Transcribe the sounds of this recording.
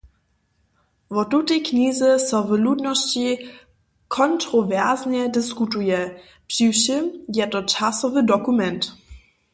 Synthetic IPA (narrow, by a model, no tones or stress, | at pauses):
vɔtutɛjkɲizəsɔvəludnɔɕt͡ɕi | kʰɔntʁɔvɛʁzɲɛdɪskutujɛ | pʂiwʃimjɛtɔt͡ʃasɔvədɔkumɛnt